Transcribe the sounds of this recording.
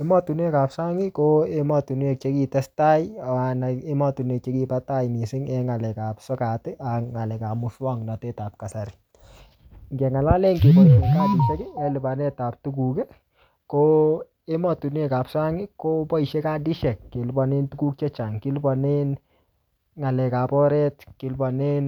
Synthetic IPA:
e˦mɔ˦tu˨n˦e˦ka˨psa˦ŋɪ˦koe˦mɔ˨tu˨n˦e˦˨k̚t͡ʃe˦ki˨tɛ˦sta˦ja˨wa˨na˨e˦mɔ˨tu˨ne˨k̚t͡ʃe˦ki˦pata˦jni˨sɪ˦ŋɛ˦ŋa˨lɛ˨ka˨psɔ˦ka˨tɪ˦ʔa˨kŋa˨lɛ˨ka˨mu˧swɔ˦ŋna˨tɛ˦ta˨p̚ka˨sa˨ɾɪ˨ | ŋɡɛ˨ŋa˨la˦le˦ŋke˨bɔ˨i˨nka˦di˨ʃɛ˦kɛ˦ɛlu˨ba˨nɛ˦ta˨p̚tu˦ku˨kɛ˦ | ko˦ | e˦mɔ˨tu˨n˦e˦ka˨psa˦ŋɪ˦ko˦pɔ˦i˨ʃe˦ka˦di˦ʃɛ˨kːe˨lbɔ˨ne˦ntu˦ku˦k̚t͡ʃe˦t͡ʃa˨ŋki˦lbɔ˨ne˦n | ŋa˨lɛ˨ka˨pɔ˦ɾɛ˦tki˨lbɔ˨ne˦n

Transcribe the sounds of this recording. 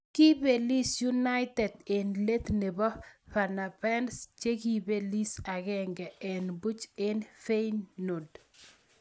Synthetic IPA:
ki˦be˨li˦sju˦na˦ɪt̪ɛ˨de˨nle˦t̪ne˨bɔ˦fa˨na˨pɛ˦nst͡ʃe˦ɡi˦be˦li˦sa˨ɡɛ˦ŋɡɛ˨ɛ˨nbu˦t͡ʃe˦nfe˦jnːo˨d

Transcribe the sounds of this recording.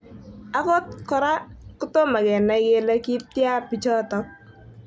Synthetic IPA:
a˦kɔ˦t̚kɔ˨ɾa˦kʊ˦to˦ma˨ɡɛ˨na˨ɡe˦la˦ki˦t̚ja˦rpi˨t͡ʃɔ˦tɔ˦k̚

